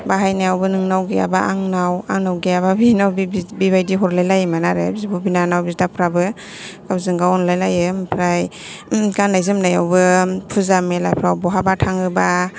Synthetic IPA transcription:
baɦajnajawbɯnɯŋnawɡia̰baʔaŋnawa̰ŋnawɡijaβabinawbibiβajdiɦɔɾlajlajmanaɾɯ̰bizibɔbinanawbizdapʰɾabɯ | kabzɯŋɡaɔnlajlajɯmpʰɾaj | ɡanːajzɯmnajawbɯpʰuzamelajpʰɾawbɔɦabatʰaŋɯba

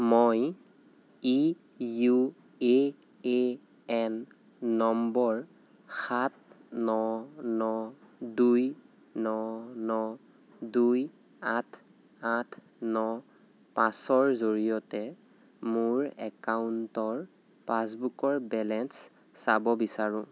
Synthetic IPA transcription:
moj | i | ju | e | e | ɛnː | ɔmbɔɹ | xat̚nɔnɔ | duj | nɔnɔ | duj | atʰ | atʰ | nɔ | pãsɔɹzoɹijɔtɛ | mʊɹɛ̰kauntɔɹ | pasbukɔɹbɛlɛnsː | abɔbisaɹũ

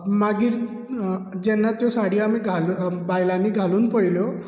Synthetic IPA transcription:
maɡiɾ | d͡ʒenːat̪josaɽiameɡʱalbajlaniɡʱalunpəjljo

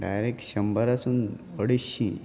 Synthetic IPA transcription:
ɖa̰jɾekɕəmbəɾasuːn | əɽiɕi

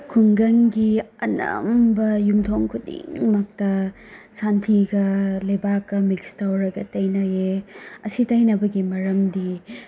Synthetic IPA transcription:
kʰuŋɡɐŋɡiɐnɐ̰mbɐjumtʰoŋkʰudḭŋmak̚tɐ | santʰiɡɐlɐjbakːɐmikstawɾɐɡɐtɐjnajeɐsitajnɐbɐɡimɐɾɐmdi

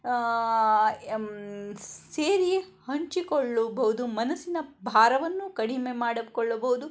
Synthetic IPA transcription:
seːɾijehɐɲt͡ʃikoɭːubɐɦud̪umɐnɐsinɐbʱaːɾɐʋɐnːukɐɽimemaːɽɐkɔɭːɐbɐɦud̪u

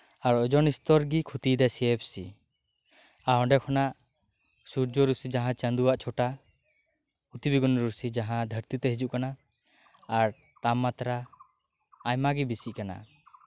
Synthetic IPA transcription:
aɾɔd͡ʒɔnist̪ɔɾɡikʰut̪id̪ɛsɛɛp̚sḭ | aɦɔ̃ɖɛkʰɔnaʔ | suɾd͡ʒɔɾusid͡ʒaɦãt͡ʃənd̪uwaʔt͡ʃʰɔʈa | ut̪ibiɡɔnɾusid͡ʒaɦãd̪ʱəɾt̪it̪ɛɦid͡ʒuʔkanaː | ɾ | t̪amːat̪ɾaː | jmaɡibisiʔ̚kana̰

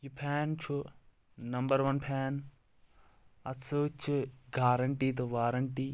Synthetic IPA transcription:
jupʰɛːnt͡ʃʰu | nɐmbəɾʋɐnpʰɛːn | ɐtsot͡ʃʰuɡaːɾɐɳʈiːt̪oʋaːɾɐɳʈiː

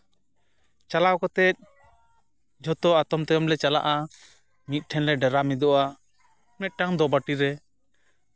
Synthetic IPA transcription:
t͡ʃalawkɔt̪ɛt̪̚ | d͡ʒʱɔt̪ɔat̪ɔmt̪ɛjɔmlɛt͡ʃala̰ʔa | mit̪̚ˀʈʰɛnlɛɖɛɾamid̪ɔʔa | mɛt̪̚ˀʈaŋd̪ɔbaʈiɾɛ

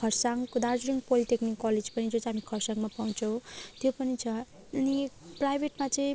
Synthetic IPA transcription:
kʰʌrsaŋkod̪ard͡zuɾiŋɡpoliʈeknikːɔled͡zpʌnid͡zot͡sɦamikʰʌrsaŋɡmapaw̃t͡sʰʌw̃t̪jopʌnit͡sʰʌ | ʌniprajbʱeʈmat͡sʌĩ

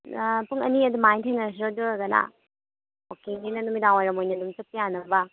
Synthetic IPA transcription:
puŋɐ̰niɐd̪umajntʰenɐɾs̬iɾɐduɾɐɡɐna̰ | okeninɐdumidaŋajɾɐmojnɐdumsɐpijanɐbɐ

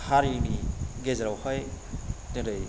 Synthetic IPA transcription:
haɾiniɡezɾawhɔjtɯɾɯj

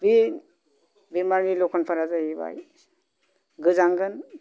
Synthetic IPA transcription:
bi | biɾmaɾnilɔkʰɔnpʰaɾazaɦiba̰j | ɡɯzaŋɡɯn

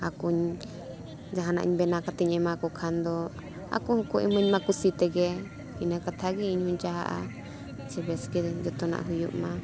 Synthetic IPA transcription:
akuɲ | d͡ʒaɦana̰ʔɲbɛnakat̪ɛɲɛ̃makɔkʰand̪ɔ | a̰kuhukuʔɛ̰məɲmakusit̪ɛɡɛ | inakat̪ʰaɡiiɲhuɲd͡ʒaɦa̰ʔa̰ | t͡ʃʰɛbɛskɛd͡ʒɔt̪ɔna̰ʔɦujuʔma

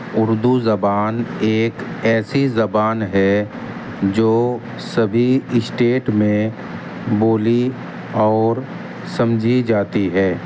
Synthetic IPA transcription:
ʊɾd̪uzɐbaːneːkɛːsizɐbaːnɦɛ | d͡ʒoː | sɐbʱiɪsʈeːʈmẽ | boːli | ɔːɾ | sɐ̃md͡ʒʱid͡ʒaːt̪iɦɛː

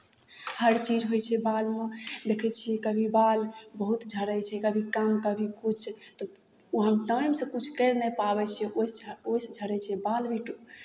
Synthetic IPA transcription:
həɾt͡ʃid͡ʒɦojt͡ʃʰɛbalmed̪ekʰɛt͡ʃʰiɛkəbʱibalbəɦut̪d͡ʒʱəɾɛt͡ʃʰɛkəbʱikamkəbʱikut͡ʃʰt̪ɔ | uɦəmʈajmsə̃kut͡ʃʰkɛɾnɛpabɛt͡ʃʰɛososd͡ʒʱəɾɛt͡ʃʰɛbalbiʈu

